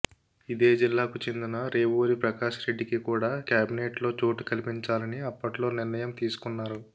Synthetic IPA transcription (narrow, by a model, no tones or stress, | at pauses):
id̪e̞ːd͡ʒilːaːkut͡ʃe̞nd̪inɐɾe̞ːʋoːɾipɾɐkaːʃɐɾe̞ɖːikikuːɽaːkjaːbineːʈlo̞ːt͡ʃo̞ːʈu̥kɐlipiɲt͡ʃaːlɐniɐpːɐʈlo̞ːniɾnɐjɐmt̪iːsu̥kunːaːɾu